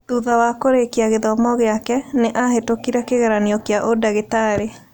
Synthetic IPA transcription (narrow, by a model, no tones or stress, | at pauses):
ðuðawakoɾekiaɣeðɔmɔɣeakɛneʔaɦetokiɾakeɣɛɾaneɔkeaʔodaɣetaɾe